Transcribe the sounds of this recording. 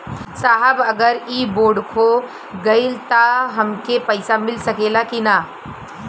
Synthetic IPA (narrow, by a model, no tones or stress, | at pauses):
saɦəbəɡəɾiboːɖkʰo | ɡəɪlt̪aɦəmkepəɪsamɪlsəkelakina